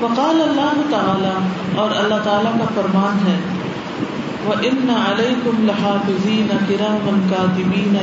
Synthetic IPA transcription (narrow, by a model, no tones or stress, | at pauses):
fɐqɑːlɐlːaːɦʊt̪ɐaːla | ɔːɾɐlːaɦt̪aːlakafɐɾmaːnɦɛː | ʋɐʔɪnːɐɐlejkʊmlɪɦaːfɪziːnɐkɪɾaːmɐlkaːd̪ɪmiːnɐ